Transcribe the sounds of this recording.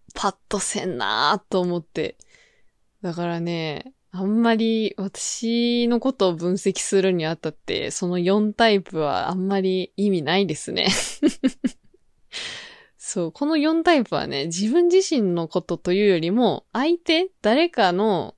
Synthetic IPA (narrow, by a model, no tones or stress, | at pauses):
pʰat̪ːo̞sẽ̞̰nːa̰t̪ːo̞ːmo̞t̪ːe̞̰ | d̪akaɾane̞ | ãmːaɾʲiβat̪ḁɕino̞ko̞t̪o̞ːbɯ̟̃ɰ̃se̞kʲi̥sɨɾɯ̟ɲ̟iat̪ːat̪ːe̞̰so̞no̞jõ̞nt̪aipɯ̟βa̰a̰mːaɾʲiːmʲinaid̪e̞sɨne̞̰ | so̞ːkʰo̞no̞jõ̞nt̪aipɯ̟βa̰ne̞̰d͡ʑibɯ̟̃ɲ̟d͡ʑiɕĩnːo̞ko̞t̪o̞t̪o̞jɯ̟ːjo̞ɾʲimo̞ait̪e̞d̪̥aɾe̞kano̞